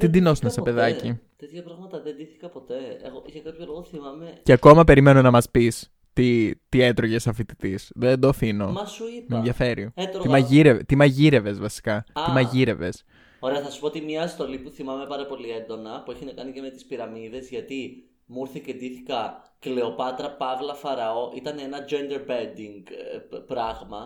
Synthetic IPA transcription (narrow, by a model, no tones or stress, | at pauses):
t̪id̪ino̞sunesɐpe̞ðɐcit̪et̪çɐpɾɐɣmɐt̪ɐðed̪iθi̥kɐpo̞t̪e̞ḛɣoʝɐkɐpçolo̞ɣoθimɐmeceɐko̞mɐpe̞ɾime̞nonɐmɐspis | t̪it̪iet̪ɾoʝe̞sɐfit̪i̥t̪isðend̪oθino̞ɐsuipmeenðʝɐfe̞ɾiet̪ɾt̪imɐʝiɾevet̪imɐʝiɾe̞ve̞zvɐsi̥kɐt̪imɐʝiɾe̞ve̞̰s | o̞ɾe̞ɐθɐsu̥pot̪imɲɐːst̪o̞lipuθimɐme̞pɐɾɐpo̞liend̪o̞nɐpueçinɐkɐniceme̞t̪i̥spiɾɐmiðe̞zʝɐt̪i | muɾθicend̪iθikɐ | kle̞o̞pɐt̪ɾɐpɐvlɐfɐɾɐo̞ʔit̪ɐnenɐd͡ʒend̪eɾbend̪iŋɡpɾɐɣmɐ